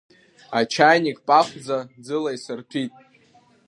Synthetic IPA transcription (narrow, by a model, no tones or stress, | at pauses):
at͡ʃʰajnikʼpʼaχʷd͡zad͡zɨlajsɨrtʷʰitʼ